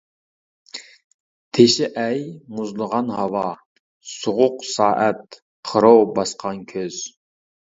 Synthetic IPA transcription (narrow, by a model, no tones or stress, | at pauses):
t̪ʰeʃɪʔɛjmʊzlˠəʁɑnhɑwɑ | soʁʊqsɑːʔɛt̪̚ | qʰəɾowbɑsqʰɑnkʲʰøz̥